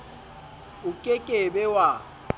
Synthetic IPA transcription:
ʊkʼekʼebɛwa

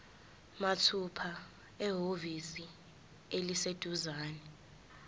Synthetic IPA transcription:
matʰupʰa | ɛɦovisi | elised̥ʱuzaːnɛ

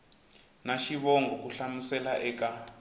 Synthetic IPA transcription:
naʃiβɔŋɡɔkuɬamusɛlaʔɛːka

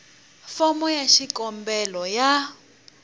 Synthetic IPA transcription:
fɔmɔjaʃikʼɔmbɛlɔja

